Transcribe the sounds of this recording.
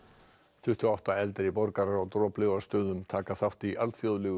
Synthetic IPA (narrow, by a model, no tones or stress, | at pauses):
t̪ʰʏht̪ʰjaawht̪aɛlt̪ɪɾipɔɾkaɾaɾawt̪ɾɔːplɪɣaɾ̥st̪œːðʏmt̪ʰaːkaθaft̪iʔalθjɔðlɛːɣʏ